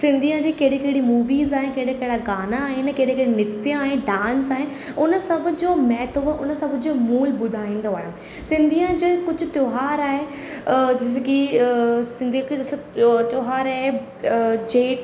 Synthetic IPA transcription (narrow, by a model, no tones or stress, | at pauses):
sɪ̃nd̪ʱiə̃d͡ʑiːkɐɦɪɽekɐɦɪɽimuːʋiːzaːɦekɐɦɪɽekɐɦɪɽaɡaːnaːɦɪnɪkeːɽekɐɽinɪt̪ijãaːɦeɖãːnsaːɦɪn | ʊnəsɐbʱʊ̆d͡ʑoːmɛːt̪ʰəʋʔʊnəsɐbʱd͡ʑoːmuːlbʊd̪ʱaːĩːnd̪oaːɦjõ | sɪ̃nd̪ʱiə̃d͡ʑekʊd͡ʑʱʊ̆t̪joːɦaːɾaːɦe | d͡ʑɪski | sɪ̃nd̪ʱikst̪joːɦaːɾaːɦe | d͡ʑeːʈ